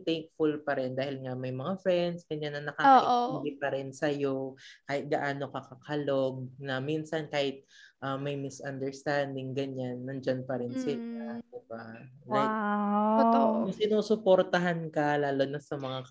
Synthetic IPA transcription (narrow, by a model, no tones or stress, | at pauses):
t̪ɛk̚fʊlpɐɾɛnd̪aːhɪlŋamɐjmɐŋafɾɛnd̪sɡ̥ɐɲanːɐnɐkaoːɪʔɪlɪpɐɾɪnsɐjo̞kaːhɪt̪̚ɡɐʔaːno̞kɐkɐkʰɐlo̞ɡ̚nɐminsɐnkaːhɪt̪̚ʔɐmːɐjmɪsʔɐnd̪ɛɹst̪and̪ɪŋɡɐɲanːɐnd͡ʒanpɐɾɪnsɪlad̪̥ɪbalajk̚ | oɐŋsɪnuːsʊpo̞ɾt̪ɐɦankɐlaːlonɐsɐmɐŋa